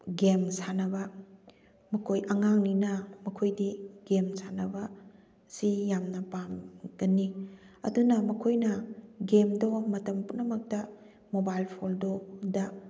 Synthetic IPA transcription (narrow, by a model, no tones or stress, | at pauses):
ɡemsanɐbɐ | mɐkʰojʔɐŋaŋninɐmɐkʰojdiɡemsanɐbɐ | sijamnɐpamɡ̥ɐnːi | ɐ̰dunɐmɐkʰojnɐɡemdomɐtɐmpunɐmɐk̚tɐ | mobajlpʰoldodɐ